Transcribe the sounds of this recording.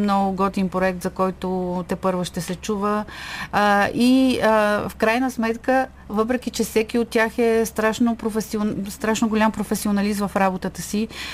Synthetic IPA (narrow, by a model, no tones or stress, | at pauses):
mnɔɡʊɡɔt̪impɾoɛk̚t̪zɐkɔjt̪ʊt̪ɛpɤɾvəʃt̪ɛsɛt͡ʃuvə | i | fkɾajnəsmɛt̪kə | vɤp̬ɾɛkit͡ʃɛfsɛkiot̪̚tːʲaxɛst̪ɾaʃnopɾofɛsionst̪ɾaʃnoɡolʲampɾofɛsionɐlizvəfɾabot̪ət̪əsi